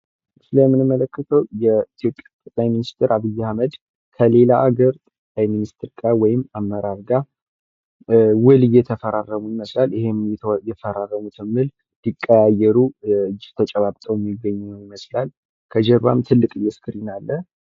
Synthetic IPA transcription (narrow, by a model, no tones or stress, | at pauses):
sɨləmːɨnɨmːələkːət̪ʰəwjɛit̪ʰjo̞pʼjat̪ʼək̪ʼlajminist̪ʰɪɾʔaβɨjːɛhaməd̪ | kʰəle̞laʔaɡəɾt̪ʼəkʼajminist̪ʰɾɡawɔjɪmːamːəɾaɾɡa | wɨlɨjɛt̪ʰəfəɾarːəmuɪməslalɪɦemjɛfəɾarːəmut̪ɨmːɨl | d̪̥ikʼːəjajɛɾuɨd͡ʒːɪt̪ʰət͡ʃʼəβaβt̪ʼəwjmːiɡəɲːunəwjɪməslal | kʰəd͡ʒɛɾβa̰mt̪ʰɨlːɨkʼɨjːɛskʰɨɾinalːə